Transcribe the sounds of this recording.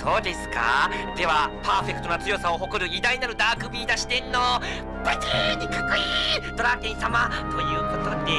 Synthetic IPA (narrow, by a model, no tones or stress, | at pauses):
so̞ːd̪e̞sɨ̥ka̰d̪̥e̞βapaːɸe̞kɯ̟t̪o̞nat͡sɨjo̞sao̞ɦo̞koɾɯ̟id̪aɲinaɾɯ̟d̪aːkɯ̟bʲiːd̪aɕi̥t̪ẽ̞nːo | batiɲikakɯid̪o̞ɾakẽɰ̃samat̪o̞jɯ̟ːko̞t̪od̪e